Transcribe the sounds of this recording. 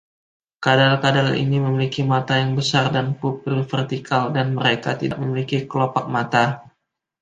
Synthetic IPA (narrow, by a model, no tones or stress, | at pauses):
kadalkadalḭniməmilikimat̪ajaŋbəsardanpupilfɛrt̪ikʰaldanməɾekat̪idaʔməmilikikəlopak̚mat̪a